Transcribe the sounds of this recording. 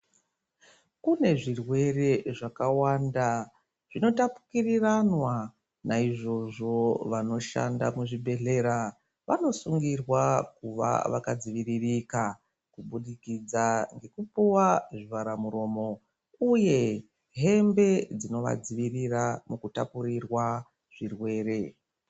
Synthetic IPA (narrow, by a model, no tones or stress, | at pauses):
kune̞ʐirwe̞re̞ʐakawanda | ʐ̥ino̞tapu̥kiriranwa | naiʐo̞ʐo̞ʋano̞ʃa̰nda̰muʐibʱe̞ɮe̞ɾa | ʋano̞suŋɡirwakuʋa̰ʋakad͡ziʋiririka | kuɓuɗikid͡zaŋɡe̞kupuwaʐiʋaɾamuɾo̞ːmo̞ | uje̞ | ɦe̞mbe̞d͡zino̞ʋa̰d͡ziʋiriramukutapurirwa | ʐ̥irwe̞ːɾe̞